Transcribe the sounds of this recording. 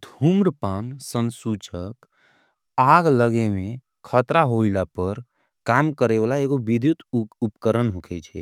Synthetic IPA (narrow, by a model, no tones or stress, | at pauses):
d̪ʱumɾpansənsut͡ʃək | aɡləɡeme | kʰət̪ɾaɦoilapəɾ | kamkəɾebalaeɡobid̪ʱjut̪upkəɾənɦukʰɛt͡ʃʰɛ̰